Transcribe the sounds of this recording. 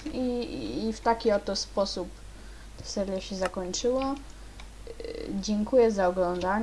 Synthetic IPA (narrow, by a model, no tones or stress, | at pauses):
iːft̪akʲiɔt̪ːɔspɔsup | t̪ḁsɛɾjaɕɛzakɔɲt͡ʂɘwɔ | d͡ʑɛŋkujɛzaɔɡlɔnd̪aɲ